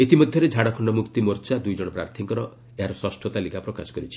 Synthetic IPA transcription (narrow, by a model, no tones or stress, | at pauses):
et̪imɔd̪ʱjɔɾed͡ʒʱaɽɔkʰɔɳɖɔmukt̪imɔɾt͡ʃad̪ujd͡ʒɔɽ̃ɔpɾa̰ɾt̪ʰiŋkɔɾɔ | eɦaɾɔswɔsʈʰɔt̪alikapɾɔkasɔ̥kɔɾit͡ʃʰi̥